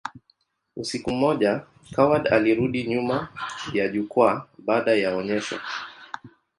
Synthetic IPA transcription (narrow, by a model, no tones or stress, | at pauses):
usikum̩mɔʄa | kʰawaɗa̰liɾuɗiɲumajaʄukwaɓaːɗajaɔɲɛʃwa̰